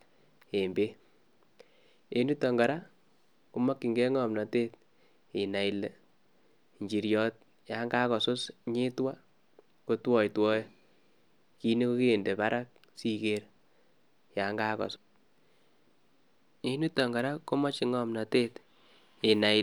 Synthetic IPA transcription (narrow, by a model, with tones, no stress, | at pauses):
e˨mbe˦ | e˨˦nu˦tːɔ˨ŋɡa˨ɾa˦ | ko˦mɔ˦kːi˨ŋɡe˦ŋɔ˨mna˨teː˦t̚ | i˨na˨i˨le˨ | ɲd͡ʒi˨ɾjɔː˨t̚ | ja˨˦ŋɡaː˦kɔ˨so˦sɲɪ˦twa˦ | ko˨twɔ˨jtwɔ˦j | ki˦ne˦ko˦ke˦˨nde˨pa˦ɾa˦k̚ | si˦ke˨ɾ | ja˨ŋɡaː˦kɔ̰˨s | e˦nu˦tɔ˨ŋɡa˨ɾa˦ko˦mɔ˦t͡ʃi˨ŋɔ˦mna˨teː˦t | e˨na˨